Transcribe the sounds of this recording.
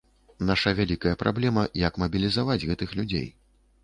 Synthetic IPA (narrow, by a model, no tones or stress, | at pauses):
naʂɐvʲalʲikɐjɐpɾʔa̰blʲɛmɐjɐkmɐbʲilʲizavad͡zʲɣɛt̪ɨxlʲud͡zʲḛj